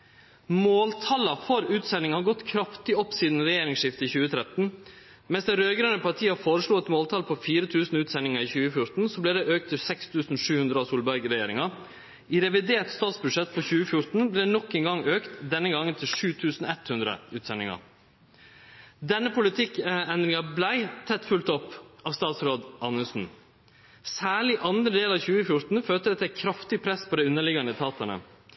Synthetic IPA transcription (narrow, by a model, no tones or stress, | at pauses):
moːlt̪ʰɑlɑfɔɾʉːt̪sɛnɪŋhɑːɾɡɔt̪kʰɾɑft̪ɪɔpːsiːd̪n̩ɾɛjeːɾɪŋsʂɪft̪əɪçʉːət̪ʰɾɛt̪n̩ | mɛnsd̪ɛnɾøːɡɾønəpʰɑʈʰiːɑfoːɾəʂɭuːɛt̪moːlt̪ʰɑlpʰɔfiːɾət̪ʰʉːsn̩ʉːt̪sɛnɪŋɑɾiːçʉːəfjʊɾt̪n̩soːblɛːd̪ɛʔøːk̚t̪ʰːɪlsɛkst̪ʰʉːsn̩ʂʉːhʉnd̪ɾəɑsuːlbæɾɡəɾɛjeːɾɪŋɑ | iɾɛʋɪd̪eːʈt̪st̪ɑːt̪sbʉʂɛt̪ːpʰɔçʉːəfjʊɾt̪n̩bleːnɔkːɛŋɡɑŋøːkt̪d̪ɛnːəɡɑŋənt̪ʰɪlʂʉːt̪ʰʉːsn̩ɛt̪hʉnd̪ɾə̰ʉːt̪sɛnːɪŋɑ̰ | d̪ɛnːəpʰʊlɪt̪ʰɪkɛnd̪ɾɪŋɑblæɪt̪ʰɛt̪fʉlt̪ɔpːɑʋst̪ɑːt̪sɾoːd̪ʔɑnəsn̩ | sæːɭɪʔɑnd̪ɾəd̪eːlɑːʋçʉːəfjʊɾt̪n̩føːt̪əd̪ɛt̪ækʰɾɑft̪ɪpʰɾɛspʰɔd̪ɛɪʉnːəɭɪɡɑnd̪ət̪ʰɑːt̪əɳə̰